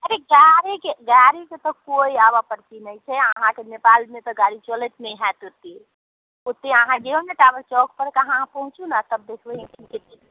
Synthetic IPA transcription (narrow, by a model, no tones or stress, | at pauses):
əɾeɡaɾekeɡaɾiket̪ɔkoiabapəɾt̪inəjt͡ʃʰɛəɦãkenepalmẽt̪ɔɡaɾit͡ʃələt̪neɦɛ̃t̪ut̪ːe | ut̪ːeəɦãɡeomeʈabəɾt͡ʃɔk̚ʰpəɾkəɦãpəɦũt͡ʃũnat̪əb̚d̪ekʰeɦẽtinket̪et̪